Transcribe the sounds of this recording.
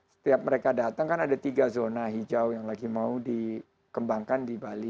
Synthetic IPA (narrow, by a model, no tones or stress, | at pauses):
sə̥t̪iap̚məɾekadat̪aŋkanadat̪iɡazonaɦid͡ʒawjaŋlaɡimaudi | kəmbaŋkandibali